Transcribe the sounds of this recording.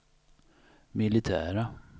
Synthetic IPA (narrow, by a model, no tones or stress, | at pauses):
mɪlɪt̪ʰæ̰ːɾa